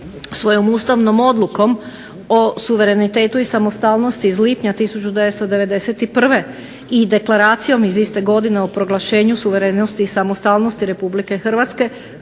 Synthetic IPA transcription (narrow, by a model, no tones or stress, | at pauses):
sʋo̞jo̞must̪aʋno̞mo̞d̪luko̞m | o̞suʋe̞ɾe̞nit̪e̞ːt̪uisamo̞st̪aːlˠno̞st̪izliːpɲat̪isut͡ɕud̪e̞ʋe̞t̪st̪od̪e̞ʋe̞d̪e̞se̞t̪ipr̩ʋe̞ | id̪e̞klaɾaːt̪sijo̞mizist̪e̞ɡo̞d̪ine̞opɾo̞ɡlˠaʃe̞ːɲusuʋe̞ɾenost̪isamost̪alˠno̞st̪iɾe̞publike̞xr̩ʋat̪ske̞